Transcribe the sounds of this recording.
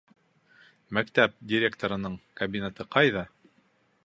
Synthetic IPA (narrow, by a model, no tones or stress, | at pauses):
mækt̪æp̚dʲɪɾʲekt̪oɾɤ̆nɤɴkɐbʲinʲæt̪ɤqɑjðɑ